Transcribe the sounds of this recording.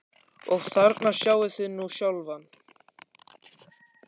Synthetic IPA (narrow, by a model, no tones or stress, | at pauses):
ɔɣθaɾt̪nḁsjaːwvɪθʏnːusjawlvan